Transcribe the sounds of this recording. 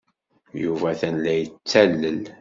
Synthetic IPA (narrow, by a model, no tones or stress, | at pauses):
juvæθænlæjət͡sːælːəl